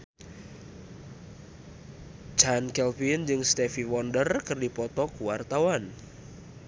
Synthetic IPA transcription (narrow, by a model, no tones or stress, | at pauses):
d͡ʒankɛlpind͡ʒɨŋst̪ɛfiwɔndərkərdipɔt̪ɔkuwart̪awan